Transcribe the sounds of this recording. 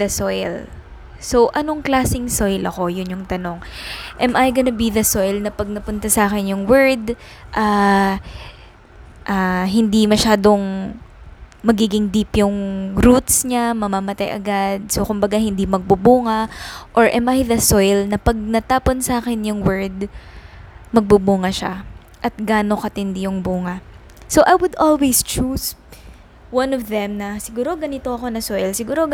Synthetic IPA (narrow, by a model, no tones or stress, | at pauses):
ðɐsojl | so̞wʔɐno̞ŋklaːsɪŋsojlʔɐko̞jʊnjʊŋt̪ɐno̞ŋʔɛmʔajɡɐnɐbiðɐso̞jlnɐpɐɡ̚nɐpʊnt̪ɐsɐʔaːkɛnjʊŋwɛɹd̪ | ʔaː | ʔaɦɪnd̪imɐʃaːd̪o̞ŋ | mɐɡiːɡɪŋd̪iːpjʊŋɾut̪sɲamɐmamɐt̪ajʔɐ̰ɡad̪̚so̞kʊmbɐɡahɪnd̪imɐɡ̚bubuːŋɐʔoɹʔɛmajðɐsojlnɐpɐɡ̚nɐt̪aːponsaːkɛnjʊŋwɛɹd̪ | mɐɡ̚bubuːŋɐʃa̰ | ʔɐt̪̚ɡaːno̞kɐt̪ɪnd̪ijʊŋbuːŋɐ | soʔɐjwʊd̪ʔolwejst͡ʃus | wɐ̃nɔfðɛmnɐsɪɡuːɾoɡɐnɪt̪o̞ɐko̞nɐsojlsɪɡuːɾo̞